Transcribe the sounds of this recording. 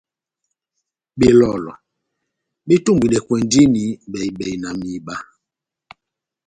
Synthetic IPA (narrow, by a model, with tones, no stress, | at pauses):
ɓe˨lɔ˨lɔ̰˨ | ɓe˦tu˦˨mbwi˨ɗɛ˨kwɛ˨ndi˦ni˨˦ɓɛ˨i˨ɓɛ˨i˨na˨mi˨ɓa˦